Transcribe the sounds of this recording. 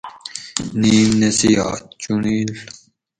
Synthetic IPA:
niːmnesija̰ːt̪t͡ɕuniːl

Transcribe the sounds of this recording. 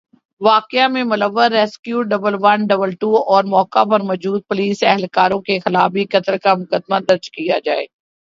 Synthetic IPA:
ʋaːkɪamẽmʊləʋːəɾːɛːskjuːɖɐbəlʋɐnɖɐbəlʈuːɔːɾmɔːkapɐɾmɔːd͡ʒuːd̪̚pʊliːsɛɦɛlkaːɾõkexɪlaːbikɐt̪əlkamʊkəd̪mad̪ɐɾd͡ʒkija̰d͡ʒaːḛː

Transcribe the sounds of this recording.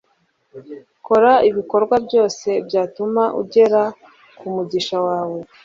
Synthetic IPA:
ko̞ɾaiβiko̞ɾɡwabɟo̞ːse̞bɟaːtumaʔṵɟe̞ɾa | kumuɟiʃawaːwe̞

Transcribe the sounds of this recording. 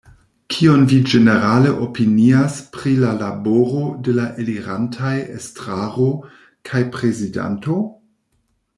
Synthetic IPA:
kʰio̞nvid͡ʒeneɾaleʔopiniaspɾilalaboɾo̞delaʔeliɾantʰajḛstɾaʁo | kʰajpɾe̞zida̰nto̞

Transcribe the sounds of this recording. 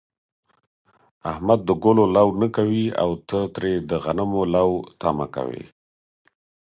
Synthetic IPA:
ahmad̪̚ːəɡololawnəkawia̰wt̪ət̪ɾed̪əɣanamolawt̪ama̰ka̰wḛ

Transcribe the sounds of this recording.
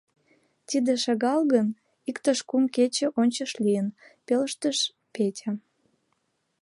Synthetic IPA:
t̪id̪eʃɑɣɑlɣən | ikt̪əʃkumket͡ɕĕʔonʲt͡ɕəʃlijənpeləʃt̪əʃ | petʲe

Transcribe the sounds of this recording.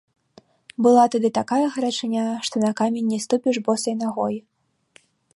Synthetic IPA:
bɨlˠat̪ad̪ɨt̪akajɐɣɐɾat͡ʂɨnʲaʂt̪ɔnɐkamʲenʲːɛst̪upʲiʐbɔsɐjnaɣɔji

